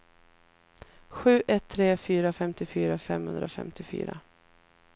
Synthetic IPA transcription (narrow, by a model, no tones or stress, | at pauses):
ɧʉ̟ːʔɛt̪ʰːɾeːfyːɾafɛmt̪ɪfyːɾafɛmhɵ̰nd̪ɾafɛ̰mt̪ɪfy̰ːɾa̰